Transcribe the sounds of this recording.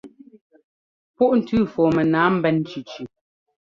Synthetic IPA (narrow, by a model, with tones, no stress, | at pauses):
pu˦˨ʔn̩˨tʉ˦˨fɔː˨mɛ˨naː˨˦m̩˦bɛ˦˨n˦t͡ʃʉ˨t͡ʃʉ˨